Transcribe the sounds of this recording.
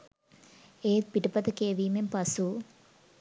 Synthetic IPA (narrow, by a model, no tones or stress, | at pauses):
eːt̪̚piʈəpɐt̪əkeːʋiːmempɐsu